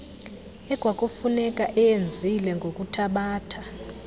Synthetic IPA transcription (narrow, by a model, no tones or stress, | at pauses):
ɛɡ̥ʱwakʼofunɛkʼaʔɛjend͡zʱilɛŋɡʱokʼutʰaɓaːtʰa